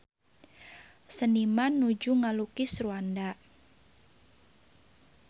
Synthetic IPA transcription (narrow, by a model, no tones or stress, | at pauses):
sənimanːud͡ʒuŋalukɪsruanda